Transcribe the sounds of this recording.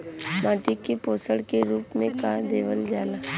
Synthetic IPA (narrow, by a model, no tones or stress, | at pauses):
maːʈikepoːsəɽkeɾuːpmẽkad̪eːʋəld͡ʒaːlaː